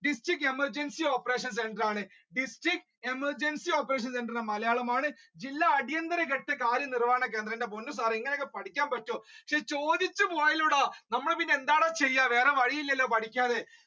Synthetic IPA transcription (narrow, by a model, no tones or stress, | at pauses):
ɖisʈrikːemɐrd͡ʑensio̞ːpːɐre̞ːʂɐnse̞ɳɖɐraːɳɨ | ɖisʈrik̚ | emɐrd͡ʑensio̞ːpːɐɾeːʂ̬ɐnseɳɖrinːɐmɐlɐjaːɭɐmaːɳɨ | d͡ʑilːaːɽijɐnd̪ɐɾɐk̬eʈːekaːɾjɐnirʋaːɐɳɐk̬e̞ːnd̪rɐinde̞ponːus̬aːriŋːɐneokːepɐʈʰikʲːaːnpɐʈːupɐkʂet͡ɕo̞ːd̪it͡ɕːupoːɐjiluːɽanɐmːɐɭpinːeend̪aːɭɐt͡ɕe̞jːaʋe̞ːreʋɐɻijilːelːo̞ːpɐʈʰikʲːaːðe